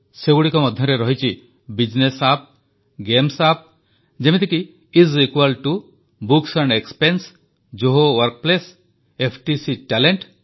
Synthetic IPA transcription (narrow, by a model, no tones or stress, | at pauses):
seɡuɽikɔmɔd̪ʱjɔɾeɾɔɦit͡ʃʰi | bid͡ʒnesap̚ | ɡemsap̚ | d͡ʒemit̪ikiː | zikwalʈu | buksaɳɖekspens | d͡ʒoɦowɔɾk̚ples | epʰʈisiʈaleɳʈ